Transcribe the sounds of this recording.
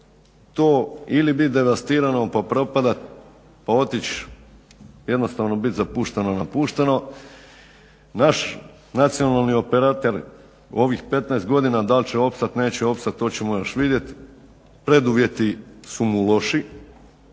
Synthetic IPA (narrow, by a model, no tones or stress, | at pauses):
t̪oːilibit̪̚d̪e̞ʋast̪iːɾanopapɾo̞pad̪at̪̚ | pao̞t̪it͡ɕ | je̞d̪no̞st̪aʋno̞bit̪zapuːʃt̪enonapuːʃt̪eno̞ | naʃ | nat̪sijo̞nalˠnio̞peɾat̪eɾ | o̞ʋixpe̞t̪naest̪ɡo̞d̪inad̪alʲt͡ɕeo̞pst̪at̪ne̞ːt͡ɕeo̞pst̪at̪ːo̞ːt͡ɕemojoʃʋid̪je̞t̪ | pɾe̞d̪uʋje̞t̪isumulˠo̞ʃi